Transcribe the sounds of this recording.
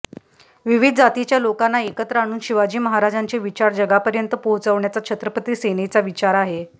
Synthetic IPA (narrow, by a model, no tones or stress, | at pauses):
ʋiʋid̪ʱd͡zat̪it͡ɕjalokanːaekət̪ɾəaɽ̃uːnɕiʋad͡ʑiːməɦaɾad͡ʑaɲt͡seʋit͡ɕaɾd͡ʑəɡapəɾjənt̪əpoɦt͡səʋɳjat͡sakt͡ɕʰət̪ɾəpət̪iːsenet͡saʋit͡ɕaɾaɦe